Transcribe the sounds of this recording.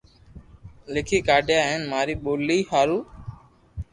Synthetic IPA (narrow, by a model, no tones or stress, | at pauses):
lɪkʰiːkaːɖejaːɦenmaːɾiːɓoːliːhaːɾuː